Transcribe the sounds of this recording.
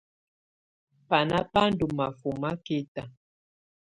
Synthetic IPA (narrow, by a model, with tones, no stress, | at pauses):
pa˨na˦pa˦n˦du˨ma˨fu˨ma˦ke˦ta˨